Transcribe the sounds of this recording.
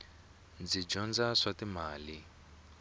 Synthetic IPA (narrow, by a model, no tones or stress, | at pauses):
nd͡zid͡ʒɔnd͡zaʂatimaːli